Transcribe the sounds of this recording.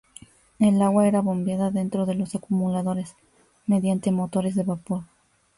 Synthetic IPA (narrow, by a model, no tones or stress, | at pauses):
e̞laɣwae̞ɾaβo̞mbjaðaðe̞nt̪ɾo̞ðe̞lo̞sakumulaðo̞ɾe̞s | me̞ðjant̪e̞mo̞t̪o̞ɾe̞zðe̞βapo̞ɾ